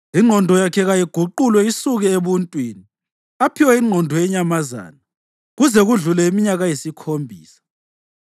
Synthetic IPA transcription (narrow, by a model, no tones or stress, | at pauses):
iŋ͡ǃʱɔndʱɔjakʰɛɣajiɡ̥ʱuǃulwɛisuɣɛeβuntʼwiːni | apʰiwaiŋ͡ǃʱɔndʱɔjɛɲamaza̰ːna | ɣuzɛɣuɮulɛimiɲaɣajisikʰombʱiːsḁ